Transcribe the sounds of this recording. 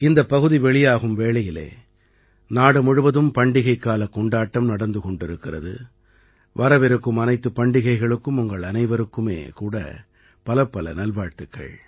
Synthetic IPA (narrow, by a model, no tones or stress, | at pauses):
ɪnd̪ɐpːɐɣɯðiʋɛɭɪjaːɣɯmʋeːɭɐjɪlḛː | naːɽɯmʊɻɯʋɐðɯmpɐɳɖɪɣɐɪkːaːlɐkːɔɳɖaːʈːɐmnɐɽɐnd̪ɯkɔɳɖɪɾɯkːɪrɐ̰ðɯ̰ | ʋɐɾɐʋɛɾɯkːɯmɐnɐɪt̪ːɯpːɐɳɖɪɣɐɪɣɐɭɯkːɯmʊŋɡɐɭɐnɐɪʋɐɾɯkːɯmḛːkuːɽɐ̰ | pɐlɐpːɐlɐ̰nɐlʋaːɻt̪ɯkːɐ̰ɭ